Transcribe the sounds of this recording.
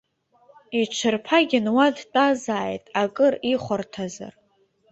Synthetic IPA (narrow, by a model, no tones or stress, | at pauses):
it͡ʃʷʰɨrpʰaɡʲɪnwadtʼazaːjtʼakʼɨriχʷartʰaza̰r